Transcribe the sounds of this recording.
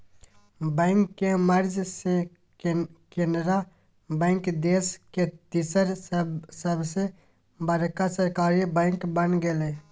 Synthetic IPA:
bɛ̃ːŋkːeməɾd͡ʒse | kenɾa | bɛ̃ːŋkd̪eːsket̪isəɾsəbse | bəɾkasəɾkaːɾibɛ̃ːŋkbənɡele

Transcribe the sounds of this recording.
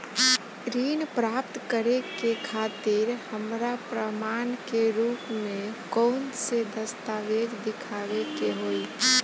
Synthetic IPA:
ɾinpɾaːp̚t̪kəɾekekʰaːt̪ɪɾhəmɾapɾəmaːnkeɾuːpmẽkɔʊnsed̪əst̪aʋed͡ʒd̪ɪkʰaʋekeɦoi

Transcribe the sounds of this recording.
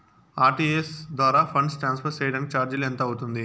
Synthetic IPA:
aːɾʈiːesd̪ʋaːɾaːpʰɐɳɖsʈɾaːnspʰɐɾt͡ʃɛːjɐɽɐnkit͡ʃaːɾd͡ʒulɛnt̪ɐːɐwut̪und̪i

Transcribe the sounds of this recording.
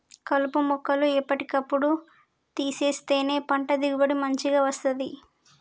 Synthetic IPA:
kɐlupumɔkːɐluɛpːɐʈikɐpːuɽu | t̪iːse̞ːst̪e̞ːne̞ːpɐɳʈɐd̪iɡubɐɽimɐɲt͡ʃiɡaːʋɐst̪ɐnd̪i

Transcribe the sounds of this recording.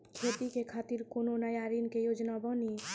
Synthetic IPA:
kʰet̪ikekʰat̪iɾkononajaɾinkejod͡ʒnabɔni

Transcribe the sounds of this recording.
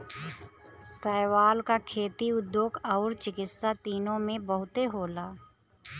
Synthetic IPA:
sɛːwaːlkakʰeːt̪iʊd̪joːɡɐʊɾt͡ʃɪkɪt̪sat̪iːnõmẽbəɦʊt̪eɦoːlaː

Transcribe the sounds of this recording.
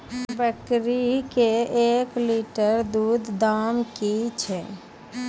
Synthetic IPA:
bəkɾikeekliʈəɾd̪uːd̪ːamkit͡ʃʰɛ

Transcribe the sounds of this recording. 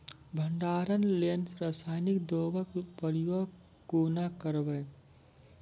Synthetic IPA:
bʱəɳɖaːɾənlenɾasaːɪnikd̪oːbəkpəɾio | kunakəɾbə

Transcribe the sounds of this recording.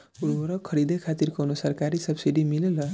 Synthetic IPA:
uɾoɾʌkʰʌɾid̪ekʰat̪irkonusʌrkaɾisʌbsiɖimilelʌ

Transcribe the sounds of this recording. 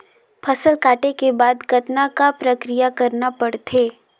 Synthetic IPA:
pʰɐsəlkaːʈekebaːd̪kɐt̪nakapɾɐkɾijakɐɾnapɐɽt̪ʰeː

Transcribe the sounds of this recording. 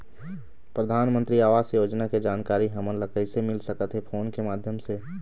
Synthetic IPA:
pɾəd̪ʱaːnmə̃nt̪ɾiaːʋaːsjoːd͡ʒnaked͡ʒaːnkaːɾiɦəmənləkəɪsemɪlsəkət̪ɦepʰoːnkemaːd̪ʱjəmse

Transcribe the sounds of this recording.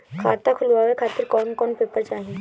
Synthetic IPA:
kʰa̰ːt̪akʰʊlʋaːʋekʰaːt̪ɪɾkɔːnkɔːnpeːpəɾt͡ʃaːɦẽ

